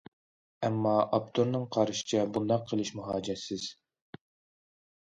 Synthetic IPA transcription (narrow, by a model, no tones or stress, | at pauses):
ɛmːɑʔɑp̚t̪ʰoɾnɨŋqʰɑɾʃɪ̥t͡ʃʰɛbund̪ɑqʰəlˠɨʃmuɦɑːd͡ʒɛsɪz̥